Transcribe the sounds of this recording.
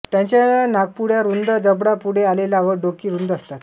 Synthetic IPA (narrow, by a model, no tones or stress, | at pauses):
t̪jãɲt͡ɕaɭanaɡ̚puɽjaɾund̪əd͡zəbɽapuɽealelaʋəɖokiːɾund̪əst̪at̪